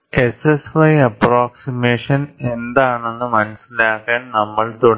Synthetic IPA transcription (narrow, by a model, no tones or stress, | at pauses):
e̞sesʋɐjɐpraːksimeːʂɐne̞nd̪aːɳenːɨmɐnɐsilaːkːaːnnɐmːɐɭt̪oɽ